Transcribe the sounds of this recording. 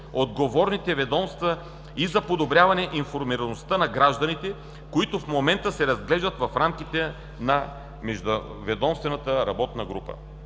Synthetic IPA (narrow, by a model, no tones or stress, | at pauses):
od̪ɡovɔɾnit̪ɛvɛd̪ɔmst̪və | izɐpod̪obɾʲjavɐnɛʔinfoɾmiɾɐnost̪ənɐɡɾaʒd̪ɐnit̪ɛ | koit̪ofmomɛnt̪əsɛɾɐzɡlɛʒd̪ət̪vɐfɾamkit̪ɛ | nɐ | mɛʒd̪o | vɛd̪ɔmst̪vɛnɐt̪əɾɐbɔt̪nɐɡɾupə̰